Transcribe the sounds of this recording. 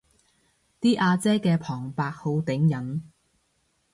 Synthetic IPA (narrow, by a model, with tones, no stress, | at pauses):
t̪iː˥ʔaː˧t͡sɛː˥kɛː˧pʰɔː˨˩ŋpaː˧k̚ho˨˧˥wt̪ɪ˨˥ŋjɐ˨˥n